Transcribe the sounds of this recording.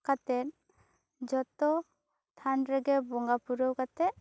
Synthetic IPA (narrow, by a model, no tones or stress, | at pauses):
kat̪ɛt̪ | d͡ʒɔt̪ɔ | t̪ʰanɾɛɡɛbɔŋɡapuɾɔwkat̪ɛʔ